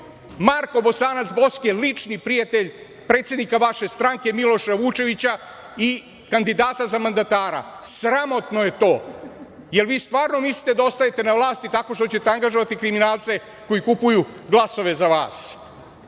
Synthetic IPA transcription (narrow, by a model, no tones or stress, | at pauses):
maɾko̞bo̞saːnat̪sbo̞skelit͡ʂnipɾijat̪e̞ʎ | pɾet̪sje̞d̪nikaʋaʃe̞st̪ɾaŋke̞milo̞ʃaʋut͡ʃe̞ʋit͡ɕa | i | kand̪id̪aːt̪azamand̪at̪aːɾa̰sɾamo̞t̪noje̞t̪o̞ː | je̞lʋiːst̪ʋaːɾno̞misli̥t̪e̞d̪ao̞st̪aje̞t̪e̞naʋlˠaːst̪it̪ako̞ʃt̪ot͡ɕet̪eaŋɡaʒoʋat̪ikɾiminaːlˠt̪se̞ | ko̞jikupujuɡlˠaso̞ʋe̞zaʋa̰ːs